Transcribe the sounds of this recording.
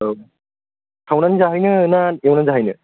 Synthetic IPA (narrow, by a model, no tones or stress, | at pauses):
tʰawnanzaɦɯjnɯnanawnanzaɦɯjnɯ